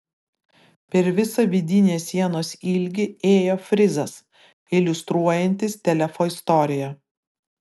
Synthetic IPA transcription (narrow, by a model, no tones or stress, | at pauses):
pʲɛɾʋʲɪsɐʋʲɪd̪ʲɪnʲeːsʲːiɛnoːsɪlʲɡʲɪeːjoːfʲɾʲɪzɐs | ɪlʲʊst̪ɾuɔjɛnʲt̪ʲɪst̪ʲɛlʲɛfoːɪst̪ɔɾʲɪjɛ